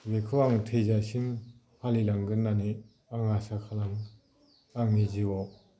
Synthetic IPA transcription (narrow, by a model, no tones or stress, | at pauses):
wekʰɯwaŋtʰezasin | halilaŋɡɯnːane | aŋasakʰalaŋ | aŋniziwɔ